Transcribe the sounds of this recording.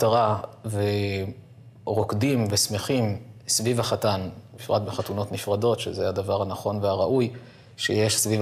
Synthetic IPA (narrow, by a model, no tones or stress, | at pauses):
taʁave̞ | ʁo̞kdimvesmeχimsvivaχatanmifʁa̰tbeχatuno̞tnifʁado̞tʃḛzeadavaʁanaχo̞nveaʁaʔuj | ʃeje̞ʃsviv